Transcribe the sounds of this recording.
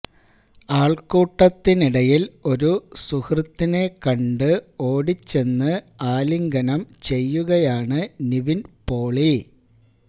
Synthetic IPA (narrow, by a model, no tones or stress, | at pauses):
aːɭkuːʈːɐt̪ːiniɽɐjilo̞ɾusuhrɨt̪ːinekɐɳɖɨo̞ːɽit͡ɕːe̞nːɨaːliŋɡɐnɐmt͡ɕe̞jːuɣɐjaːɳɨniʋinpo̞ːɭi